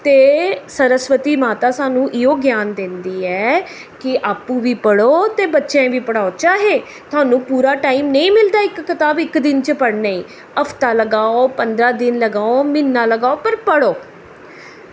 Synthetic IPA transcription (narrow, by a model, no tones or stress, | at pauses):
t̪eːsəɾəsʋət̪iːmaːt̪aːsaːnũːʔɪɦoːɡjaːnd̪ɪnd̪iːɛː | kɪʔaːpːũːʋiːpəɽoːt̪eːbətːʃẽːʋiːpəɽaːoːt͡ʃaːɦeː | t̪ʰʊaːnũːpuːɾaːʈaːiːmnəĩːmɪld̪aːɪkːɪt̪aːbɪkd̪ɪnt͡ʃəpəɽnaḭ̃ː | əpʰt̪aːləɡaːoːpənd̪ɾaːd̪ɪnləɡaːoːmɪnːaːləɡaːoːpəɾpəɽoː